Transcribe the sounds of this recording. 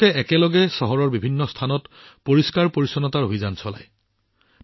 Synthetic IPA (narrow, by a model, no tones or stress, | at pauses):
ɛɛkɛlɔɡɛsɔɦɔɹɔɹbibʱinːɔstʰanɔt | poɹiskaɹpoɹisɔnɔtaɹobʱizansɔla̰j